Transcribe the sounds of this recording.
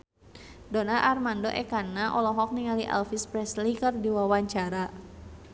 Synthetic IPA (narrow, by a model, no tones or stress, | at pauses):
dɔnarʔarmandoʔɛkanaʔɔlɔɦɔk̚niŋaliʔa̰lfispɾɛslikərdiwawaɲt͡ʃaɾa